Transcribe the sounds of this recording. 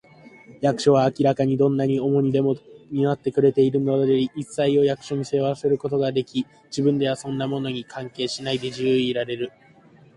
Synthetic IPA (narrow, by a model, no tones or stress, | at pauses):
jakɯ̟̥ɕo̞β̞aːkʲiɾakaɲ̟id̪õ̞nːaɲ̟io̞mo̞ɲ̟id̪e̞moɲ̟inat̪ːe̞kɯ̟ɾe̞t̪e̞iɾɯ̟no̞d̪d̪eiisːaio̞jakɯ̟̥ɕo̞ɲ̟ʲise̞ase̞ɾɯ̟ko̞t̪o̞ɡad̪e̞kʲi | d͡ʑibɯ̟̃nd̪e̞βasõ̞nːamo̞no̞ɲ̟ikʰãŋke̞ːɕinaid̪e̞ʑɨːiɾaɾe̞ɾɯ̟